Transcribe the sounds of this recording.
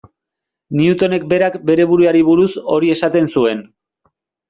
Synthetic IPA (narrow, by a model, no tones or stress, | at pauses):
niut̪o̞ne̞k̚be̞ɾakbe̞ɾe̞β̞uɾuaɾiβ̞uɾuso̞ɾie̞sat̪e̞nsue̞n